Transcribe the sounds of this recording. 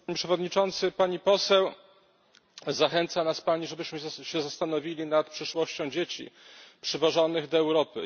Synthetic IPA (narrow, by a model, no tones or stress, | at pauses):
ɲipʂɛvɔd̪ɲit͡ʂɔnt̪sɘpaɲipɔsɛw | zaxɛnt̪sanaspaɲiʐɛbɘɕmɘɕɛzast̪anɔvʲilʲinat̪pʂɘʂwɔɕt͡ɕɔ̃w̃d͡ʑet͡ɕḭpʂɛvɔʐɔnɘɣd̪ɔɛwɾɔpɘ̰